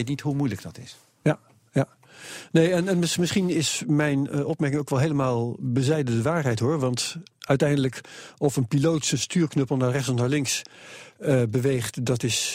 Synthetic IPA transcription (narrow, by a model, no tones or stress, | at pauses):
jtnitɦumujləɡ̚d̥ɑtɪs | ja | ja | nejɛnɛnmɪsmɪsχinɪsmɛjnɔp̚mɛɹkɪŋowkʋɛlˠɦeːləmaːlˠbəzɛjdəndəʋaːɹɦɛjtɦoːɹʋɑntœɥtɛjndələkɔfənpiloːwtsəstyːɹknøpəl̩ˠnaːrɛχtsɔfnaːɹlɪŋks | əbəʋejχtdɑtɪs